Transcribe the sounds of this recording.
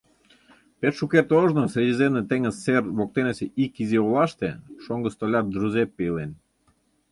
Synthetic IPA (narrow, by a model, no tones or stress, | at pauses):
pet̪ʃukert̪oʒnosɾʲedʲezemnet̪eŋəzserβok̚t̪eneseʔikiziolɑʃt̪eʃoŋɡə̆st̪olʲɑt̪̚d̪ɾuzepːelen